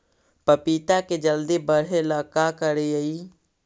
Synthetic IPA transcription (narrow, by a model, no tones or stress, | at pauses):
pəpit̪aked͡ʒəld̪ibəɽ̤eləkakəɾejəi